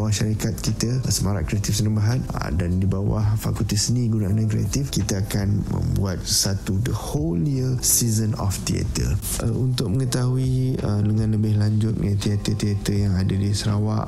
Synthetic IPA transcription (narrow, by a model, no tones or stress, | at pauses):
waʔʃaɾikat̪̚kit̪asəmaɾa̰ʔkɾiat̪ifsənəmbaɦanə̰dandibawa̰hfakult̪isəniɡunaanakɾiat̪ifkit̪aakanmə̰̃mbṵat̪̚sat̪udəholiəsizənɔ̰ft̪ḭa̰t̪ə̰ | unt̪ʊk̚mə̃ŋət̪aɦuiələŋãnləbɪhlaɲd͡ʒʊt̪̚nat̪iat̪ət̪iat̪əjaŋadadisəɾawa̰ʔ